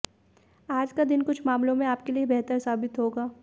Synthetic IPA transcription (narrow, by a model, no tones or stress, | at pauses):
aːd͡ʒkad̪ɪnkʊt͡ʃʰmaːmlõmẽaːp̚keliebɛɦt̪əɾsaːbɪt̪ɦoːɡaː